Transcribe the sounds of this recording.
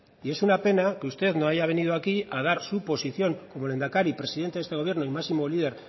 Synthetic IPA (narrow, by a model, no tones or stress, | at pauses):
ie̞sunape̞nake̞ust̪e̞ðnoaʝaβ̞e̞nið̞uakiað̞aɾsupo̞siθjo̞ŋko̞mo̞le̞nd̪akaɾipɾe̞siðe̞nt̪eest̪eo̞βje̞ɾnoimasimo̞liðe̞ɾ